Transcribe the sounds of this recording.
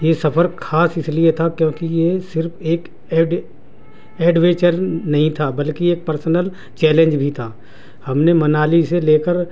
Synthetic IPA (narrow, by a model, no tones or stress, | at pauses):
jesɐpʰəɾkʰaːsɪsliet̪ʰakjõːkijesɪɾpʰeːkː | ɖ | ɛːɖʋẽːt͡ʃəɾnɐɦĩt̪ʰabɐlkieːk̚pəɾsənəl | t͡ʃɛːlẽɲd͡ʒbʱit̪ʰaː | hɐmnemɐnaːliseleːkəɾ